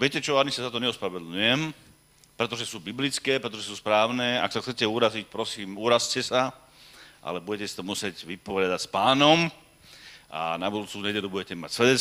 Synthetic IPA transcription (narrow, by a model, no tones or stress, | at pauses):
ʋɪɛcɛt͡ʃɔaɲisazat̪ɔɲɛɔspɾaʋɛd̪l̩ɲujɛm | pɾɛt̪ɔʒɛsuːbiblit͡skɛːpɾɛt̪ɔʒɛsuːspɾaːʊnɛːa̰ksaxt͡sɛcɛuɾazic̚pɾɔsiːmuɾazcɛsa | ʔa̰lɛbuɟɛcɛsi̥t̪ɔmusɪɛɟʋipɔɾɪad̪acspaːnɔm | a̰nabud̪uːt͡suːɲɛɟɛlubuɟɛcɛmacsʋɛd̪ɛ